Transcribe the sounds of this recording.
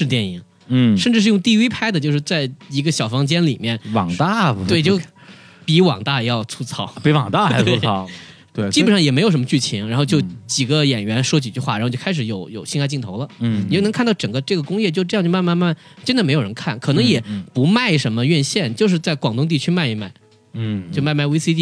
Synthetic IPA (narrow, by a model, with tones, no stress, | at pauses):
ʂɻ̩˥˧t̪jɛ˥˩nḭ˧˩˥ŋ˥˩ | ʂə˥˧nʈ͡ʂɻ̩˥˧ʂɻ̩˥˧jʊ˥˧ŋt̪i˥˧wi˥pʰa˥ɪd̪ə˨t͡ɕjo˥˧ʊʂɻ̩˥˧t͡sa˥˩ɪi˧˥ɡə˧ɕjɑ˨˩ʊfɑ˧˥ŋt͡ɕjɛ˥nli˨˩mjɛ˥˩nwɑ˨˩t̪a˥˩t̪we˥˩ɪt͡ɕjo˥˩ʊ | pi˧˥wɑ̰˨˩ŋt̪a˥˩˧jɑ˥˩ʊt͡sʰu˥t͡sʰɑ˥ʊpi˧˥wɑ˨˩ŋt̪a˥˩˧e˥u˧˥t͡sʰɑ˥˩t̪we˥˩t͡ɕi˥ɛ˨˩ʂɑ˥˩jɛ˨˩me˧˥ɪjʂmə˧t͡ɕy˥˩t͡ɕʰi˧˥ŋɻa˧˥xo˧ʊt͡ɕjo˥˩ʊt͡ɕi˨˩ɡə˦jɛ˨˩nɥɛ˧˥nʂwɔ˥t͡ɕi˨˩t͡ɕy˥˧xwa˥˩ɻa˥˧jo˥˩˧kʰɪʂɻ̩˨˧˥jo˨˧˩ʊjo˨˩ʊɕi˥˧ŋxa˥ɪt͡ɕi˥˩ŋt̪ʰo˧˥ʊlə˧˥˨n˧˥kʰa˥˧nt̪ɑ˥˩ʊʈ͡ʂɤ˨˩ŋɡə˦ʈ͡ʂɤ˥˩ɡə˩kʊ˥ŋjɛ˥˧t͡ɕjo˥˧˥t͡ɕjma˥˧ma˥˧nma˥˩n | t͡ɕjnd̪ə˨me˧˥jo˨˩ə˧˥ŋkʰa˥˩nkʰɤ˨˩nɤ˧˥ŋjɛ˨˩pu˧˥ma˥˩ɪʂə˧˥nmə˧ɥɛ˥˧nɕjɛ˥˩nt͡ɕjo˥˧ʊʂ̬ɻ̩˥˧t͡sa˥˩ɪkwɑ˨˩ŋt̪ʊ˥ŋt̪̬i˥˩t͡ɕʰy˥ma˥˩ɪi˧˩ma̰˥˩ɪ˩ | t͡ɕjo˥˧ʊma˥˧ɪma˥˩ɪwe˥ɪsi˥t̪i˥˩